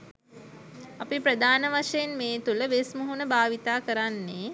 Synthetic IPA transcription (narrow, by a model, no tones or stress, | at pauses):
apipɾəd̪ʱaːnəʋaʂəjenmeːt̪uləʋesmuɦunəbʱaːʋit̪aːkəɾanːeː